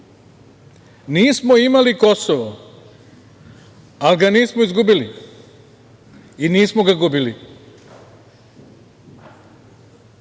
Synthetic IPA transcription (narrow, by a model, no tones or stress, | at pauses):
niːsmoimalikosoʋo | alɡaniːsmoizɡubili | iniːsmoɡaɡubili